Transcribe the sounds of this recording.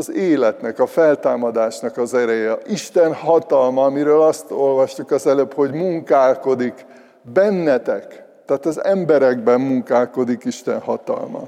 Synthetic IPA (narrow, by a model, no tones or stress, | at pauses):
zeːlɛt̪nɛkɒfɛlt̪aːmɒd̪aːʃnɒkɒzɛɾɛjɛiʃt̪ɛnhɒt̪ɒlmɒːmiɾøːlɒst̪o̞lvɒʃt̪ukɒzɛløːpho̞ɟmuŋkaːlko̞d̪ik | bɛnːɛt̪ɛk | t̪aːt̪ɒzɛmbɛɾɛɡbɛmmuŋkaːlko̞d̪ikiʃt̪ɛ̰nhɒt̪ɒ̰lmɒ̰